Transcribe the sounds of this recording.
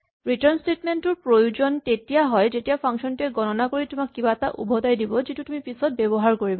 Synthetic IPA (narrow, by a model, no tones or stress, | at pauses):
ɹitɔɹnstetmentʊɹpɹojud͡ʒɔntetijaɦɔjd͡ʑetijapʰaŋʃɔntuɛɡɔnɔnakoɹitʊmakːibataʔṵbʱɔdajdibɔzitutumipisɔt̚bebɔɦaɹkoɹibɔ